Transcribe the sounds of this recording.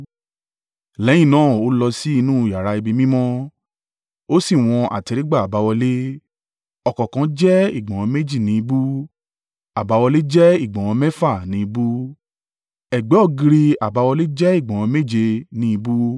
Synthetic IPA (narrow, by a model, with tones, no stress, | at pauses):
lɛ˨˦jĩ˦˨nãː˨˦˨o˨˦lɔ˧si˦i˧nũ˦˨ja˨ɾa˧i˧bi˧mĩ˦mɔ̃˦ | o˦si˦˨w̃ɔ̃˧ʔa̰˨tɛ˧ɾi˦ɡ͡ba˦˨a˨ba˨˧wɔ˧le˦ | ɔ˧˨kɔ̃˨kã˨˧˦d͡ʒɛ˦ḭ˦˨ɡ͡bã˨w̃ɔ̃˨˧˦me˦d͡ʒi˦˨nĩ˧˦i˧bu˦ | a˨ba˨˧wɔ˧le˦d͡ʒɛ˦i˦˨ɡ͡bã˨w̃ɔ̃˧mɛ˦fa˦˨nĩ˨˦i˧bu˦ | ɛ˨ɡ͡bɛ˨˦ɔ˦˨ɡĩ˧ɾi˧a˨ba˨˧wɔ˧le˦d͡ʒɛ˦i˦˨ɡ͡bã˨w̃ɔ̃˧me˦˨d͡ʒe˧nĩ˦i˧bu˦